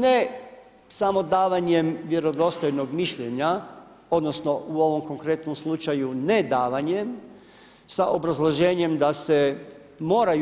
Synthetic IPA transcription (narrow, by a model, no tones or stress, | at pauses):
ne | samo̞d̪aːʋaɲe̞mʋje̞ɾo̞d̪o̞st̪o̞jno̞ɡmiʃʎeɲa | o̞d̪no̞sno̞ʔuo̞ʋo̞mko̞ŋkɾe̞t̪nomslˠut͡ʃajune̞d̪aːʋaɲem | saʔo̞bɾazlˠo̞ʒe̞ːɲe̞md̪ase̞ | mo̞ːɾaj